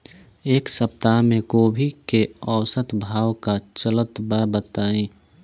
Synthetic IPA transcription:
eːksəp̚t̪amẽkoːbʱikeɔːʊsət̪bʱaːwkat͡ʃələt̪bəbət̪aːĩː

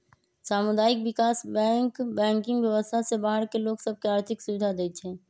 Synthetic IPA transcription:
saːmʊd̪aːɪkwɪkaːsbɛ̃ːŋkbɛ̃ːŋkɪ̃ŋɡʋwjəʋəst̪ʰasebaːɦəɾkeloːɡsəb̚ʱkeaːɾt̪ʰɪksʊʋɪd̪ʱad̪eːt͡ʃʰɦɛ̃ː

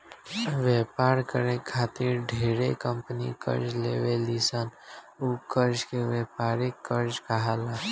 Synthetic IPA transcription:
ʋeːpaːɾkəɾekʰaːt̪iɾɖʱeːɾekə̃mpənḭkə̰ɾd͡ʒlḛːʋelisan | ukəɾd͡ʒkeʋeːpaːɾekəɾd͡ʒkaɦaːlaː

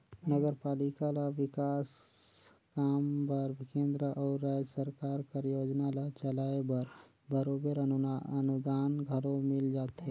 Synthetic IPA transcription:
nəɡəɾpaːlikalaʋɪkaːs | kaːmpɐɾbɪkẽːnd̪ɾəʔɔːɾːaːd͡ʒsəɾkaːɾkəɾjoːd͡ʒnalat͡ʃəlaːebɐɾ | bəɾoːbəɾənʊd̪aːnɡʱɐɽõmɪld͡ʒaːt̪ɦe

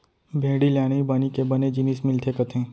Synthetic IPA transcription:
bʱẽːɽiljaːɽ̃ibanikebɐned͡ʒinismɪlt̪ʰekət̪ẽː

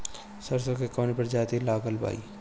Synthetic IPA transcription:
sɐɾsokekɔːnpɐɾd͡ʒaːt̪ilaːɡəlba̰ːḭː

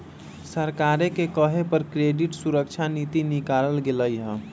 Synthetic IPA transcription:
səɾkaɾekekəɦepəɾkɾeɖiʈsuɾəkt͡ʃʰanit̪inikaɾəlɡeləjɦə

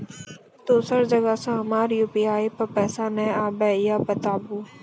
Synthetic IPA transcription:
t̪oːsəɾd͡ʒəɡasãɦɐmaːɾjuːpiːaːipɐɾpɛːsanɛ̃aːbɛːɪjaːbət̪aːbuː

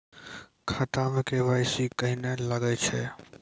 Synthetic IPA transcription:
kʰət̪amẽkebaɪsikəɦineləɡɛt͡ʃʰɛ

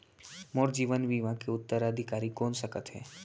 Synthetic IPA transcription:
moːɾd͡ʒiːʋənʋiːʋãkeʊt̪ːəɾəd̪ʱɪkaːɾikɔːnsəkət̪ɦɛ̰ː

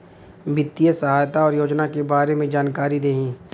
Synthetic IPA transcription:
bɪt̪ːijəsəɦaːjt̪aɔːɾjoːd͡ʒnakebaːɾemẽd͡ʒaːnkaːɾid̪eːɦĩː

